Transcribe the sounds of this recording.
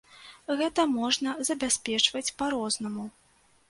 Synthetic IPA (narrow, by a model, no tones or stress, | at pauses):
ɣɛt̪ɐmɔʐnɐzɐbʲasʲpʲɛt͡ʂvɐt͡sʲpaɾɔznɐmu